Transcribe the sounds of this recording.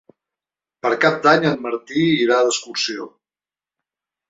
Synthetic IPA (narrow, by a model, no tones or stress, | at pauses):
pəɾkap̚d̪aɲəmməɾt̪iːɾaðəskuɾsio̰